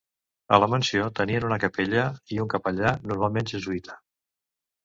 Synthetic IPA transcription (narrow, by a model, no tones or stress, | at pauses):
ə̰ləmənsiot̪əniənunəkəpeʎəiuŋkəpəʎanuɾmalˠmenʒəzuit̪ʰə̥